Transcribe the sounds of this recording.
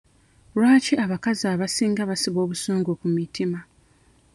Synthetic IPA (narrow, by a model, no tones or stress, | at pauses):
lwaːciaβakazaːβasiːŋɡaβasiβo̞ːβusoːŋɡokumitima